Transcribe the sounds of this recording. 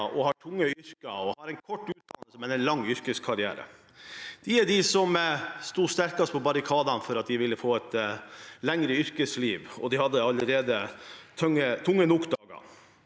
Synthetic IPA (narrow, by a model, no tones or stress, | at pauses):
ʔɔhɑʈʰʊŋːəʏɾkɑɔhɑɾɛnkʰɔʈːʉːt̪̚d̪ɑnəsəmɛnɛnlɑŋːʏɾkəskʰɑɾɪæ̰ːɾə̰ | d̪̥ɪæɖɪsɔmst̪uːst̪æɾkɑst̪pʰɔbɑɾɪkʰɑːd̪ɑnfɔɾɑt̪̚d̪ɪʋɪlːəfoːɛt̪læŋɾəʏɾkəsliːʋɔ̰d̪ɪhɑd̪ːəɑlːəɾeːd̪ət̪ʰœŋːət̪ʰʊŋːənʊkd̪ɑːɡɑ̰